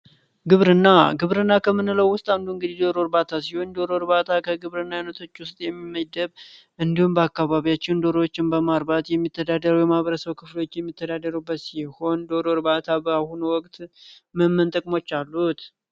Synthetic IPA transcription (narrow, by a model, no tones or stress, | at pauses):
ɡɨβɾɨnːaɡɨβɾɨnːakʰəmːɨnɨləwːʊst̪ʼand̪uɨŋɡɨd̪ihd̪o̞ɾo̞ɾbat̪ʰasiho̞nd̪o̞ɾoɾβat̪ʰakʰəɡɨβɾɨnːajunət̪ʰo̞t͡ʃːwʊst̪ʼjɛmːimːəd̪əβ | ʔɨnd̪ihumbəakːaβaβijat͡ʃːɪnd̪o̞ɾowot͡ʃːɪnbəmaɾbat̪jɛmːit̪ʰːəd̪ad̪əɾəwjɛmaβəɾəsəβkʰɨflo̞t͡ʃːjɛmːit̪ʰːəd̪ad̪əɾubːət̪siho̞nd̪o̞ɾoɾbat̪ʰabəahunwɔkʼt̪ʼ | məmːɨnt̪ʼəkʼmo̞t͡ʃːalːut̪